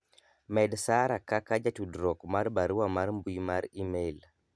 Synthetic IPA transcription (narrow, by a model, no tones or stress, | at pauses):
mɛdsaɾakakad͡ʒatudɾɔkmaɾbaɾuwamaɾmbuimaɾimɛl